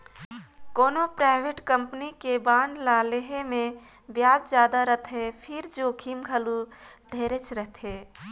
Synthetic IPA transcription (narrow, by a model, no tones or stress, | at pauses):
koːnopɾaːɪʋeʈkə̃mpnikebãːɳɖlaːleɦemẽ | bjaːd͡ʒd͡ʒjaːd̪aɾət̪ʰɦepʰɪɾd͡ʒokʰiːmɡʱəlu | ɖʱeːɾet͡ʃɾəɦt̪ʰeː